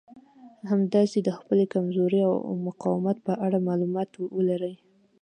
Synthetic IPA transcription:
hamd̪ɑsed̪əxpəlekamzoɾea̰wmʊqɑwɪmat̪̚pəʔaɽamɑlumɑt̪wəlaɾəj

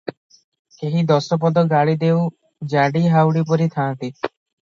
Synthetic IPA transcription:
keɦid̪ɔsɔp̬ɔd̪ɔɡaɭid̪ew | d͡ʒaɽiɦawɽipɔɾit̪ʰaːnt̪i

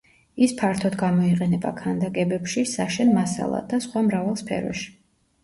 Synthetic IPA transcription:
ispʰaɾt̪ʰɔd̪ɡamɔiqʼɛnɛba̰kʰand̪akʼɛbɛpʃisaʃɛnmasa̰lˠa̰d̪asχwamɾavalˠspʰɛ̰ɾɔ̰ʃi̥

